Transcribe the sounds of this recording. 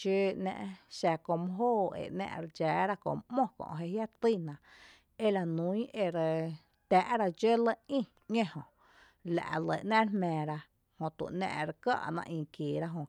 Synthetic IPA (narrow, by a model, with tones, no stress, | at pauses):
ʃə˦nɛ̰̃˧ʔʃa˧ko˧mõ˧˦ɦoː˦˨ḛ˨ʔnɛ̰̃ː˧ʔɾe˧d͡ʒaː˨˦ɾa˦kõ̰˧˨mʔmõ˦kõ̰˧ʔɦe˧hja˦t̪i˦˨nã˨ʔ | e˦la˨nũ˨˦ĩ˦ʔe˧ɾə˧ | t̪ʲæː˨ʔɾa˧d͡ʒe˦lə˦ĩ˦˨ | ɲẽ˦hõ˨ʔ | la̰˨ʔlə˨ʔnɛ̃˦ɾhmɛ̃ː˨ɾa˧ | hõ˧˨t̪ṵ˨ʔnɛ̰̃ː˧ʔɾə˧ka̰˦ʔnã̰˧ʔĩː˧˨kiː˨ɾa˦ɦõ˧